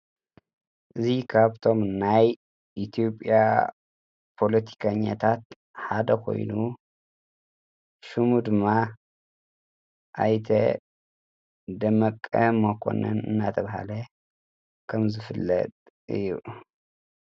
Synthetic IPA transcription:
ʔɨzikʰaβt̪ʰo̞mnaj | ʔit̪ʰijo̞pʼja̰ | pʰo̞lɐt̪ʰi̥kʰɐɲːa̰t̪ʰat̪ | ħad̪ɐkʰo̞̰jnu | ʃumud̪ɨmːa | ʔajt̪ʰɐ | d̪ɐmɐkʼːɐmɐkʰo̰nɐ̰nɨ̰nːat̪ʰɐβɦa̰lɐ | kʰɐmzɨfɨlːɐ̰t̪ʼ | ʔɨ̰jːu

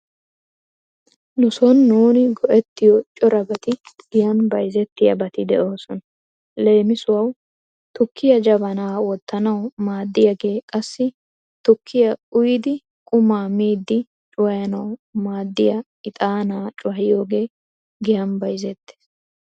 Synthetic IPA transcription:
lʊsɔnːuːnɪɡɔʔɛt̪ːɪjɔt͡ʃʼɔɾɐbɐt̪ɪɡ̥ɪjɐnbɐjzɛt̪ːɪjɐ̰bɐt̪ɪd̪ɛʔo̞ːsɔnɐ | le̞ːmɪsʊwɐw | t̪ʊkʰːɪjɐd͡ʒɐbɐnaːwɔt̪ːɐnɐwmaːd̪ːɪjɐɡe̞ːkʼɐsːɪ | t̪ʊkʰːɪjɐʊjɪd̪ɪ | kʼʊmaːmiːd̪ːɪ | t͡ʃʼʊwɐjɐnɐwmaːd̪ːɪjɐ | ɪt̪ʼaːnaːt͡ʃʼʊwɐhɪjo̞ːɡe̞ː | ɡɪjɐnbɐjzɛt̪ːe̥ːs

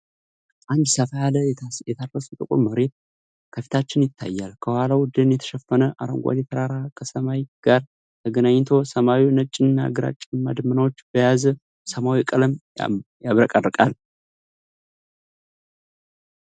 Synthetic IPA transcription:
ʔand̪səfajaləjɛt̪ʰaəsɨt̪ʼɨkʼuməɾe̞t̪̚ | kʰəfi̥t̪ʰat͡ʃːɪnjɪt̪ʰːa̰jːalkʰəwʷalawʊd̪ɨnjɛt̪ʰə̥ʃɛfːənəʔaɾəŋɡʷa̰d̪et̪ʰəɾaɾakʰəsəmajɡ̥aɾ | t̪ʰəɡənaɲːt̪ʰo̞səmawinət͡ʃʼːɪɨnːa̰ɡɨɾa̰t͡ʃʼːɪnmad̪ɨmɨnawot͡ʃːbəjaz | səmawikʼələmjaβɾəkʼərɨkʼal

